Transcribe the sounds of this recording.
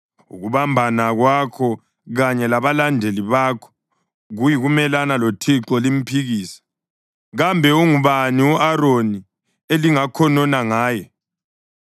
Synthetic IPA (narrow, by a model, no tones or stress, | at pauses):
ṵɣuβambʱanaɣwakʰɔ | ɣaɲɛlaβalandʱeliβakʰɔ̥ | ɣujiɣumɛlanalotʰiǁɔlim̩pʰiɣiːsḁ | ɣambʱɛuŋuβaniwuʔaɾoni | eliŋakʰɔnɔnaŋaːjɛ